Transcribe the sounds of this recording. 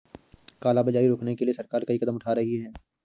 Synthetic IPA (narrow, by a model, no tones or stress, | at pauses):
kaːlabɐd͡ʒaːiɾoːknekeliesɐɾkaːɾkɐikɐd̪əmʊʈʰaːɾɐɦiɦɛː